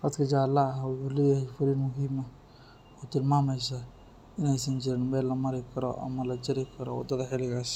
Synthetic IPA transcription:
hɐt̪kʰɐd͡ʒaːlːaɦawʊħuːlɛːjahɛjfʊɾinmʊɦɪmɐ | ɔt̪ɪlmaːmɛjsa | ɪnɛjs̬ɐnd͡ʒɪɾɪnmɛːlːɐmɐɾɪkʰɐɾɔ̰ʔɐ̰mɐlɐd͡ʒɐɾɪkʰɐɾɔ̰wɐ̰d̪ɐðɐħɪlɪɣas

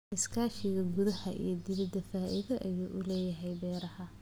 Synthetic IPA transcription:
ɪskʰaːʃɪɣɐɡʊðɐhɐ̰ʔḭjɞd̪ɪβɪd̪ɐfaːʔɪðɐʔɐjuːʔʊlɛːjɐɦɛjbɛːɾɐhɐ

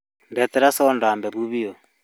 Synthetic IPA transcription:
mbɛtɛɾasɔndaːmbɛβuβiɔ

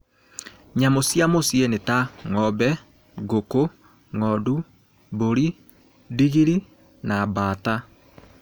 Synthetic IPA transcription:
ɲamosjamosienetaŋɔbɛ | ɡoko | ŋɔdu | boɾi | diɣiɾi | nabata

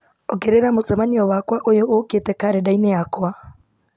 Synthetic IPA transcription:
oɡeɾeɾamot͡sɛmaniɔwakwaʔojoʔoketɛkaɾedaineakwa

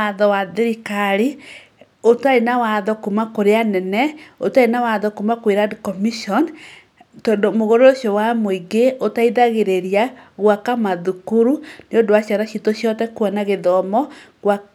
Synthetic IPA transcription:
aðɔwaðeɾikaɾi | otaenawaðɔkumakoɾeanɛnɛotaenawaðɔkumakweɾadkɔmiʃɔn | tɔndomoɣoɾooʃjowamoiɡeotaiðaɣeɾeɾiaɣwakamaðukuɾuneodowaɕjaɾaɕitoɕjɔtɛkwɔnaɣeðɔmɔɣwa

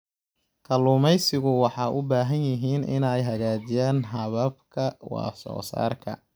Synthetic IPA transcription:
kʰɐluːmɛjsɪɣʊwɑħɑːʔʊbaːɦɐnjɪɦiːnʔɪ̰nɛjɦɐɣaːd͡ʒɪjaːnɦɐβɐb̚kʰɐwɑ̰ːsɔ̰ːsa̰ːrkʰɐ̰

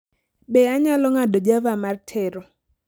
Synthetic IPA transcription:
ɓeaɲalɔŋadɔd͡ʒavamartʰɛɾɔ

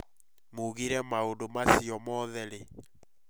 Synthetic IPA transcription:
muɣiɾɛmaondomasiɔmɔðɛɾe

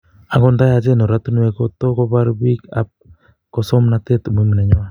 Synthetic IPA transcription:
aɡondajad͡ʒenoɾat̪unuekot̪okobaɾbika̰p̚ | kosomnat̪et̪umimineɲoa

